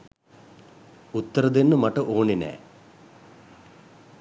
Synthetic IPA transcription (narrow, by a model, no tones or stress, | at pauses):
ut̪ːɐɾɐd̪inːumɐʈːɐʔoːɳinḛː